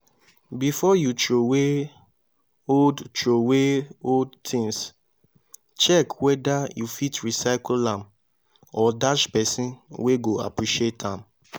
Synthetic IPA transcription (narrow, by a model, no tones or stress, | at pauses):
bifɔjut͡ʃowe | odt͡ʃoweoldtʰĩŋs | t͡ʃɛkwɛdajufitɹisaɪkllãm | ɔdaʃpɛsĩnweɡoa̰pɹiʃietʰãm